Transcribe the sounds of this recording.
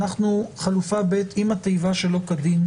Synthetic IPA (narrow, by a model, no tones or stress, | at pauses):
naχnuχalufabet̪imat̪ejvaʃe̞lo̞kadin